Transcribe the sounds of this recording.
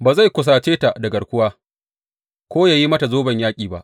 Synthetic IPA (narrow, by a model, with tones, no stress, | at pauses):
baː˨za˦˨jkʷʊ˨s̬aː˨t͡ʃeː˦ta˨ʔdɐ˨ɡɐ˨ɽkʷʊ˦waː˦ | kʷoː˦jaː˨ji˦mɐ˦ta˨zoː˦bɐ˨ɲjaː˦kʲʼiː˨ba̰˦ʔ